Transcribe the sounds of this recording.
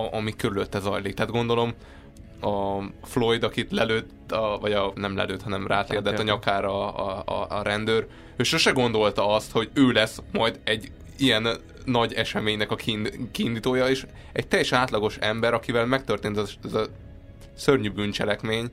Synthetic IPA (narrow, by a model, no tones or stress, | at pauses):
ɒmikøɾyløt̪ːɛzɒ̰jliːkt̪aːd̪ɡo̞nd̪o̞lo̞m | ɒflo̞jd̪ɒkit̪lɛløːt̪ːɒvɒɟɒnɛmlɛ̰løːt̪hɒnɛmra̰ːt̪lɛɡɛd̪ɛt̪ːɒɲɒkaːɾɒ̰ | ɾɛnd̪øːɾ | øːʃoʃɛɡo̞nd̪o̞lt̪ɒɒst̪ho̞ɟøːlɛsmɒjd̪ɛɟː | ijɛnː | ɒɟɛʃɛmeːɲnɛkɒkikiːnd̪iːt̪oːjɒeːʃ | ɛ̰ɟ̚t̪ɛjɛʃɛnaːt̪lɒɡo̞ʃɛmbɛɾɒkivɛlmɛk̚t̪ørt̪eːnɛɛzɒ | sørɲybynt͡ʃɛlɛkmeːɲ